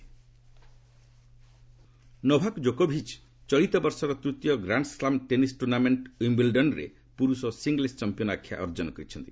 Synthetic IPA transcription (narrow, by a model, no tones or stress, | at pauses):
nɔbʱakd͡ʒokobʱit͡ʃ | t͡ʃɔɭit̪ɔbɔɾsɔɾɔt̪ɾut̪jɔɡɾaɳɖslamʈenisʈuɾnameɳʈimbilɖɔnɾḛ | puɾusɔsiŋɡlest͡ʃampiɔnakʰja̰ʔɔɾd͡ʒɔnɔkɔɾit͡ʃʰɔnt̪i